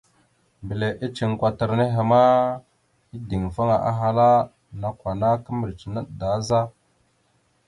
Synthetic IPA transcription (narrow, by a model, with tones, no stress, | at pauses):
mbi˨le˨ʔi˦t͡ʃi˨ŋ˨kʷa˨tə˨ɾne˦ɦe˨ma˦ | i˦di˨ŋfa˦ŋa˨ʔa̰˦ɦa˦la˦ | na˨kʷwa˨na˦kə˦mə˨ɾt͡ʃi˨na˦ɗda˨˦za˦